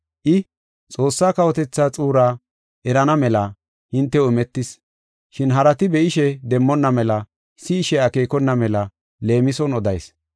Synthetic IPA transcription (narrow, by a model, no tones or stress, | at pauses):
ʔɪ | t͡sʼo̞ːsːaːkɐwɔt̪ɛt͡sːat͡sʼuːɾaː | ʔɛɾɐnɐmɛlɐ | hɪnt̪ːɛʊmɛt̪ːɪs | ʃɪnɦɐɾɐt̪ɪbɛʔɪʃɛd̪ɛmːɔnːɐmɛlɐ | sɪːʃɛɐke̞ːkɔnːɐmɛlɐ | le̞ːmɪsɔnɔd̪ɐjs